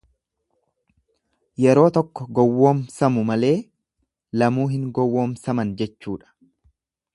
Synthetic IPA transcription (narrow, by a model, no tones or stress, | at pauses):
jɛɾo̞ːt̪ɔkːɔɡɔwːoːmsɐmʊmɐle̞ː | lɐmuːɦɪŋɡɔwːoːmsɐmɐnd͡ʒɛt͡ʃːuːᶑɐ̥